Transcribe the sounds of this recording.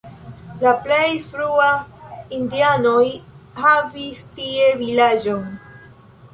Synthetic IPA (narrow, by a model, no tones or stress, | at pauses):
laple̞jfɾuaindiano̞jhavistie̞vilad͡ʒo̞n